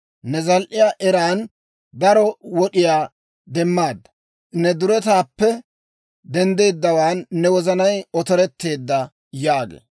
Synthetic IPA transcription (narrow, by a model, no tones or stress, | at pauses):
nɛzɐlʔɪjaːʔɛɾaːn | d̪ɐɾɔwɔɗɪjaː | d̪ɛmːaːd̪ːɐ̥ | nɛd̪ʊɾɛt̪aːpːɛ | d̪ɛnd̪eːd̪ːɐwaːnːɛwɔzɐnɐjɔt̪ɔɾɛt̪ːe̞ːd̪ːɐ | jaːɡḛː